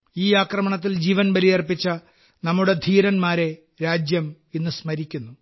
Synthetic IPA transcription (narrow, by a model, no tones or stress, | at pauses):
iːaːkrɐmɐɳɐt̪̬ːild͡ʑiːʋɐnbɐlijɐrpit͡ɕːɐ | nɐmːuɽe̞d̪ʱiːɾɐnmaːɾe̞ | ɾaːd͡ʑjɐm | inːɨsmɐɾikʲːunːu